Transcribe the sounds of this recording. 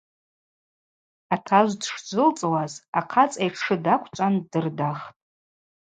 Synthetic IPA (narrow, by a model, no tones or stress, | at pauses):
atʰaʒʷdʂd͡ʒʷɨlt͡sʼwazaqʰat͡sʼejʂʰɨdakʷʰt͡ʃʷʼandɨrdaχtʼ